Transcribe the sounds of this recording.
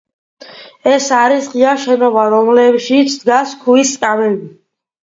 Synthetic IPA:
ɛsaɾisʁiaʃɛnɔvaɾɔmlɛbʃit̪sʰd̪ɡaskʰuisʼkʼavɛbi

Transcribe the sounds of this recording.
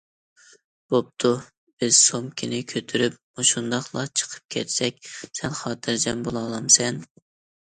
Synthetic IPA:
b̥op̚t̪ʰu | b̥ɪz̥somkʲʰinɪkʲʰøt̪ʰyɾyp̚muʃund̪ɑχlˠɑ̰t͡ʃʰə̥qʰə̥p̚kʲʰɛt̪ʰsɛk̚ʲsɛnχɑːt̪ʰɨɾd͡ʒɛmbolˠɑːlˠɑmsɛn

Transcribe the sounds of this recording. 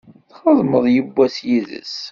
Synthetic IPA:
θχəðˤməðˤjəbːæsjiðə̰s

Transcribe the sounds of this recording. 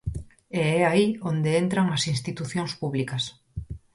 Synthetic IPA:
eɛaiond̪eent̪ɾɐŋɐsinst̪it̪uθjoŋspuβlikɐs

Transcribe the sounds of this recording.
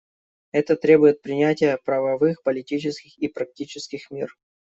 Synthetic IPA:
ɛt̪ət̪ɾʲe̞bʊjɪt̪̚pɾʲɪnʲætʲɪjəpɾəvɐvɨxpəlʲɪtʲit͡ɕɪskʲɪxipɾɐk̚tʲit͡ɕɪskʲɪxmʲir

